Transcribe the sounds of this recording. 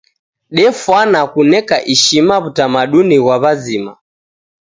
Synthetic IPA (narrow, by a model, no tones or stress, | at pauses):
ɗɛfwanakunɛkaʔiʃimaβutamaɗuniɣwaβazima̰